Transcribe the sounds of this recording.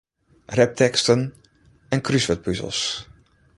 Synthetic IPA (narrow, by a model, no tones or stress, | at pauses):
rɛp̚tʰɛkstən | ɛnkrysʋɛt̚pyzə̰lˠs